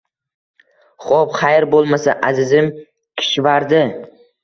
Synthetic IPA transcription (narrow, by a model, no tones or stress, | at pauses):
χopχajɾbolˠmasaʔazɪzɪm | kʲʰɪ̥ʃvaɾd̪ɪ